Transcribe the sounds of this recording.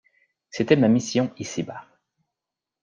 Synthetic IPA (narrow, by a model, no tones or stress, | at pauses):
set̪ɛmamisjɔ̃isibaʁ